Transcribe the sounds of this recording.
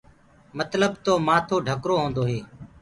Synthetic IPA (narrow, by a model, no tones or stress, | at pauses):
mət̪ləbt̪oːmaːt̪ʰoːɖʱəkɾoːɦõːnd̪oːɦeː